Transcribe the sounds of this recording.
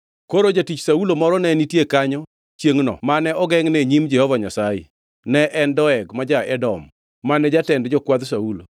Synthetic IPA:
koɾod͡ʒatit͡ʃsaulomɔɾɔnɛnitjekaɲɔ | t͡ʃjeŋnɔ̰manɛɔɡɛŋnɛɲimd͡ʒɛhɔvaɲasajḛ | nɛʔɛndɔɛɡmad͡ʒaʔɛdɔmː | anɛd͡ʒatɛndd͡ʒɔkwad̪saulo̰

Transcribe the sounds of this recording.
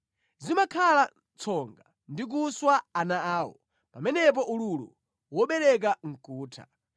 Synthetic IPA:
zimakʰalant͡sʰɔŋɡa | ndik̬uswaanaaːwɔ̰ | pamɛnɛp̬ɔʔululṵ | wɔɓɛɾɛk̬aŋ̩kuːtʰa̰

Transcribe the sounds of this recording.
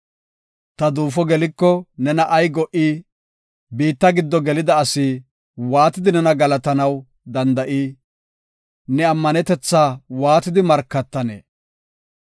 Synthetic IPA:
t̪ɐd̪uːfɔɡɛlɪkːɔnɛnɐʔɐjɡɔʔiː | biːt̪ːɐɡɪd̪ːɔɡɛlɪd̪ɐːsiː | waːt̪ɪd̪ɪnɛnɐɡɐlɐt̪ɐnɐw | d̪ɐnd̪ɐʔiː | nɛɐmːɐnɛt̪ɛt͡sːaːwaːt̪ɪd̪ɪmɐɾkːɐt̪ːɐnḛː

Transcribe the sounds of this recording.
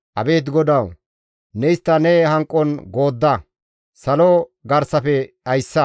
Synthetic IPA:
ʔɐ̰be̞ːt̪̬ɡɔd̪ɐw | nɛɪst̪ːɐnɛhɐŋkʼːɔnɡo̞ːd̪ːɐ | sɐlɔɡɐɾsɐfɛʔɐjsːɐ

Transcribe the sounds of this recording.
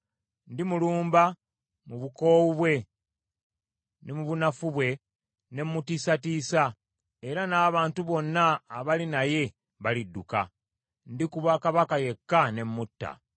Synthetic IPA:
ndimuluːmba | muβuko̞ːwuβwe̞ | nemuβunafuβwe̞ | ne̞mːutisatiːsa | e̞ɾanaːβaːntuβo̞nːaːβalinaje̞ | βalidːuka̰ | ndikuβakaβakaje̞kːane̞mːutːa̰

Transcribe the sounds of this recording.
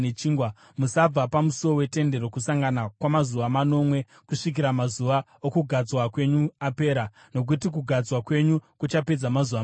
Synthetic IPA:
et͡ʃiːŋɡwa | musab͡vapamusuo̞we̞te̞nde̞ɾo̞kusaŋɡanakwamazuʋamano̞mwe̞ | kuʂik̬iɾamazuʋa | okuɡʱad͡zwakwe̞ɲuape̞ːɾa | no̞k̬utik̬uɡʱad͡zwakwe̞ɲukut͡ʃape̞d͡zamazuʋa

